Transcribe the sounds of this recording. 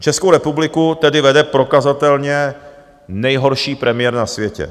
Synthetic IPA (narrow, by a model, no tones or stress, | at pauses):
t͡ʃɛskowɾɛpublɪkut̪ɛdɪvɛdɛpɾo̞kazat̪ɛlɲɛ | nɛjɦo̞ɾʃiːpɾɛmɪjɛɾnasvjɛcɛ̰